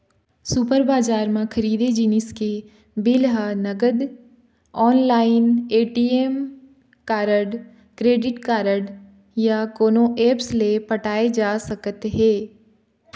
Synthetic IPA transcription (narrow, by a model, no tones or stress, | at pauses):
supəɾbaːd͡ʒaːɾmãkʰəɾiːd̪ed͡ʒinɪske | bɪlɦanɐɡəd̪ | ɔːnlaːɪneːʈiːem | kaːɾəɖ | kɾeːɖɪʈkaːɾəɖ | jakoːnõʔeːpslepəʈaːed͡ʒaːsəkət̪ɦɛː